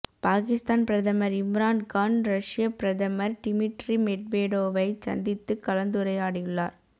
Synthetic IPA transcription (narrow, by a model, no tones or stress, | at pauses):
paːkɪst̪aːnpɪɾɐðɐmɐɾɪmɾaːnkaːnɾɐʂɪjɐpɪɾɐðɐmɐɾʈɪmɪʈɾimɛʈ̚ʋeːɽoːʋɐɪsɐ̰nd̪ɪt̪ːɯkːɐlɐnd̪ɯɾɐjaːɽɪjɯɭːa̰ːɾ